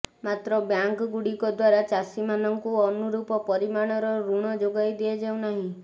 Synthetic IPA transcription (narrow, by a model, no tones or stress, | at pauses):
mat̪ɾɔbjaŋkɡuɽikɔd̪waɾat͡ʃasimanɔŋkuɔnuɾupɔpɔɾimaɽ̃ɔɾɔɾuɽ̃ɔd͡ʒoɡajd̪ied͡ʒaũnaɦĩ